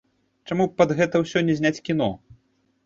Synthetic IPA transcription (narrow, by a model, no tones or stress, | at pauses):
t͡ʂamupɐd̪ɣɛt̪ɐwsʲɔnʲːɛzʲnʲat͡sʲkʲin̪ɔ